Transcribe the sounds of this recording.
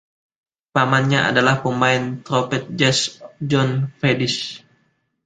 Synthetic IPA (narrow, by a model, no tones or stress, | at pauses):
pamanɲaa̰dalahpəmaɪnt̪ɾɔpɛt̪̚d͡ʒɛsd͡ʒɔnfedɪs